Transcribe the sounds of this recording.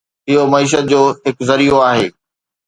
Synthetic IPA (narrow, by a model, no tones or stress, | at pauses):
ɪɦomɐiːʃ̬ət̪̚d͡ʑoːɦɪkzɐɾijoaːɦeː